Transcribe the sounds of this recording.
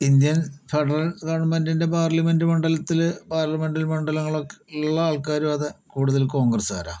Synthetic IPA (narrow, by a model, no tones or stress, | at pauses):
ind̪jɐnfeɽɐrɐkɐːɳumɐndinde̞paːrlɐme̞ndɨmɐɳɖɐlɐt̪ːilpaːrlɐme̞ɳɖilmɐɳɖɐlɐŋːɐɭokːeuɭːɐaːɭkaːɾjumɐðɨkuːɽuðɐlko̞ːŋɡrɐsa̰ːɾa̰ː